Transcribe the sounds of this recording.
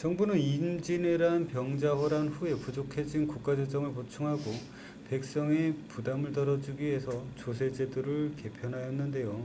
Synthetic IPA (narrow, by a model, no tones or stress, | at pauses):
t͡ɕʌŋbunɯnimd͡ʑineɾanpjʌŋd͡ʑawʌɾanɸue̞pud͡ʑokʰe̞d͡ʑinkuk͈ad͡ʑed͡ʑ͈ʌŋɯɭpot͡ɕʰuŋɦaɡo | pe̞k̚s͈ʌŋepudamɯɭtʌɾʌd͡ʑiɡiɦe̞sʰʌt͡ɕosʰe̞d͡ʑedoɾɯɭke̞pʰjʌnɦajʌnːɯnde̞jo